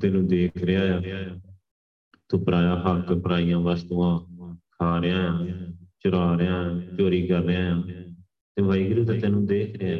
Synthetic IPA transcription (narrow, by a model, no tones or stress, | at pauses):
t̪ɛːnũːd̪eːkʰɾɪaːjaː | t̪õːpəɾaːjaːpəkpəɾaːijãːʋaːst̪uːãːkʰaːɾɪjãːjãːt͡ʃʊɾaːɾejãːãːt͡ʃoːɾiːɡəɾːeãːjãː | t̪eːbʱaːiːɡɾuːt̪̬aːt̪eːnũːd̪eːkʰɾeaː